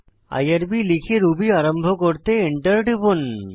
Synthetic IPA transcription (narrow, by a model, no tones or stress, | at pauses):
a̰jaɾbilikʰeɾubiaɾambʱokoɾt̪eiɳʈəɾɖibon